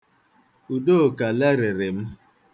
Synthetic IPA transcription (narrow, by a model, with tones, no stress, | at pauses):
u˨do˦˨ka˨lɛ˦ɾe˨ɾɪ˨m̩˦